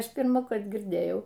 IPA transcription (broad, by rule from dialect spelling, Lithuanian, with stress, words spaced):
ˈɐʃ pʲɪrmɑːˈkɐrt ɡʲɪrʲˈdʲeːjɛʊ